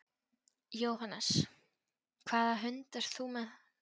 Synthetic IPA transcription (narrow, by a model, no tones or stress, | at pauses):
jowɦanɛs | kʰvaːðaɦʏnt̪ɛɾ̥θumɛð